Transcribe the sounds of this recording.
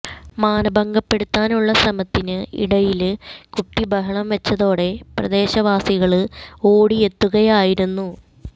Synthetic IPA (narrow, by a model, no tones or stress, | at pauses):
maːnɐbɐŋɡɐpːe̞ɽut̪ːaːnuɭːɐsɐmɐt̪ːinɨḭɽɐjilkuʈːibɐɦɐɳɐmʋɐt͡ɕːɐðo̞ːɽe̞prɐd̪e̞ːɕɐʋaːsiɣɐɭɨo̞ːɽie̞t̪ːuɣɐjaːjiɾunːu